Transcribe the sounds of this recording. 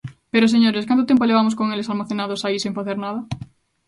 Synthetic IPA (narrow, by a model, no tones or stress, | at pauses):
peɾos̬eɲoɾeskant̪ot̪emp̬oleβamos̬koŋelesalmaθenaðosaisẽŋfaθeɾnað̞ɐ